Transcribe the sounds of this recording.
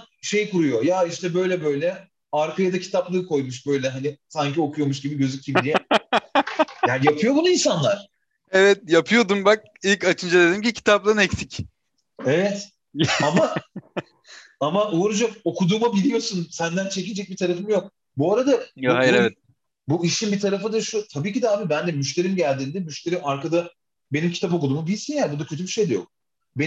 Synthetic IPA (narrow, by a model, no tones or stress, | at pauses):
ʃe̞jkuɾujo̞jaiʃt̪ʰɛbø̞jlʲɛbø̞jlʲɛ | aɾkʰajad̪acʰi̥t̪ʰaplˠɯːkʰo̞jmuʃ̬bø̞jlʲɛɦanisaɲcio̞kʰujo̞muʃɟibiɟø̞zyc̚ʲɟibid̪ijɛ | jaːnijapʰɯjo̞bunuinsanlˠaɾ̥ | evɛt̪̚japʰɯjo̞d̪umbak̚ilʲcat͡ʃʰɯnd͡ʒad̪e̞d̪imcicʰi̥t̪ʰap̚lˠanɛcsic | evɛt̪ | ama | amauɾud͡ʒako̞kud̪uːmabilʲijo̞sunsænd̪ænt͡ʃʰe̞cind͡ʒɛc̚bit̪ʰaɾafɯmjo̞k̚ | buaɾad̪aɦaɾɛvɛt̪̚ | buiʃinbit̪ʰaɾafɯd̪aʃut̪ʰabiːcid̪ɛaːbibænd̪ɛmyʃ̬t̪e̞ɾimɟælʲd̪iːnd̪ɛmyʃt̪e̞ɾimaɾkad̪a | be̞nimcʰi̥t̪ap̬o̞k̬ud̪uːmubilʲsinjabud̪acʰøt̪ʰybiʃe̞jd̪ejok̚ | be